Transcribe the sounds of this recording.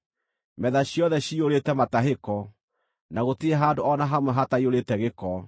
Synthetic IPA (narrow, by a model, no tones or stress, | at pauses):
mɛðaɕjɔðɛɕioɾetɛmataɦekɔ | naɣoteeɦaːdoɔnaɦamwɛɦataioɾetɛɣekɔ